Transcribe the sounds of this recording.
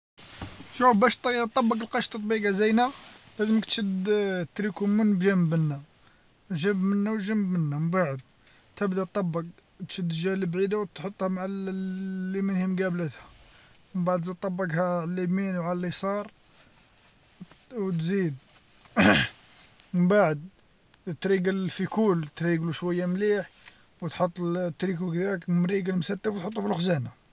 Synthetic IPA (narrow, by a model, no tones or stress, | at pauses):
ʒubæʃt̪ˤt̪ˤːɑbːɑkəlqɑʃt̪ˤt̪ˤbiɡɑzəjnælæzəməkt̪ʃəd̪t̪ɾikumːənbʒæmbənːæ | ʒæmbmənːæwʒæmːbmənːæmmbaʕəd̪̚ | t̪əbd̪æt̪ˤːɑbːɑk̚ | t̪ʃəd̪ːəʒæləbʕid̪awt̪ħot̪ˤːhæmaʕlː | imənhimɡæblət̪hæməmbaʕd̪zit̪ˤːɑbːɑɡhæʕlːiminwʕalælisˤɑɾˤ | wt̪zid̪̚ | məmbaʕəd̪̚ | t̪ɾiɡəlfikult̪ɾiɡluʃwæjːamliħ | wət̪ħot̪ˤːt̪ːɾikukd̪iɾəkmɾiɡəlmsæt̪ːəfwt̪ħot̪ˤːufilʔxzæna